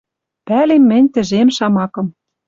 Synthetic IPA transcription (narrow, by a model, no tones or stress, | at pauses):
pælemːɘ̆nʲt̪ɘ̆ʒemʃɑmɑkɤ̆m